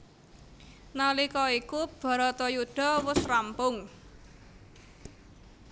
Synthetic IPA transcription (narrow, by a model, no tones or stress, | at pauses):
nalikɔikub̥a̤ɾat̪ɔjuɖ̥a̤wʊsrampʊŋ